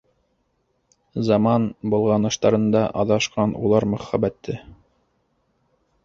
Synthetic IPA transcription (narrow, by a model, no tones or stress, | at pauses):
zɑmɑnbulˠʁɑnɤ̆ʃt̪ɑɾɤ̆nd̪ɑʔɑðɑʃqɑnṵlˠɑɾmɵ̆χæbæt̪ːɘ